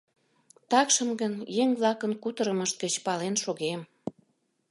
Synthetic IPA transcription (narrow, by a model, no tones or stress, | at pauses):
t̪ɑkʃəmɡənjeŋβlɑkənkut̪əɾəməʃt̪̚ɡət͡ɕpɑlenʃoɣem